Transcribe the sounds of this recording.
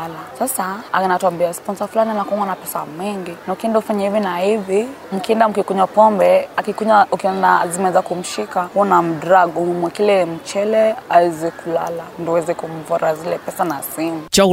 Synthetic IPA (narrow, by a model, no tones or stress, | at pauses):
lasasaa̰kanatwambiaspɔnsafulanimakumanapɛsa̰mɛŋɡinaukiɛndɔufaɲahivinahivi | m̩kiɛndam̩kikuɲapɔmbɛakikuɲaukiɛndazimɛɛzakum̩ʃikahuɔnam̩dɾaɡɔumwakilɛm̩t͡ʃɛlɛawɛzɛkula̰landɔawɛzɛkuɱ̩vɔɾazilɛpɛsanasimut͡ʃa